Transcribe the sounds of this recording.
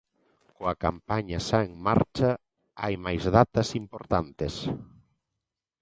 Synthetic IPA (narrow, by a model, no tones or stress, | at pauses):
koɐka̰mpaɲasaeŋma̰ɾt͡ʃa | a̰jmajzðat̪ɐsimpoɾt̪ant̪es